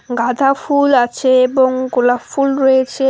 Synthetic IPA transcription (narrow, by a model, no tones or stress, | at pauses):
ŋɡat̪afulat͡ʃeboŋɡulafulɾet͡ʃe